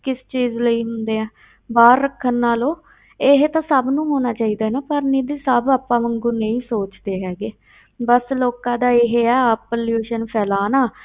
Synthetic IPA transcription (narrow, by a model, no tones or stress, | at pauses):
kɪst͡ʃiːzləiːɦʊnd̪eːɛ̃ː | baːɾːəkʰːənːaːloː | eɦet̪ãːsəbnũːɦoːnaːt͡ʃaːiːd̪aːnaːpəɾniːd̪iːsəbəpːãːməŋɡuːnə̃ĩːsoːt͡ʃd̪eːɦɛːɡeː | bəsloːkãːd̪aːɪɦeɛːəpəljuːʃənpʰɛːlaːnaː